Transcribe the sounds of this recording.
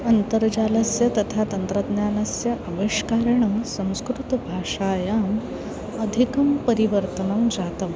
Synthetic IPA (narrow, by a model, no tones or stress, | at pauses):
ɐnt̪əɾd͡ʑaːlɐsjɐt̪ɐt̪ʰat̪ɐnt̪ɾɐd̪njaːnɐsjɐʔɐʋeʂkaːɾɳɐmsɐ̃w̃skɾut̪bʱaːʂaːjaːm | ɐd̪ʱikɐmpəɾiʋəɾt̪ənɐmd͡zat̪ɐm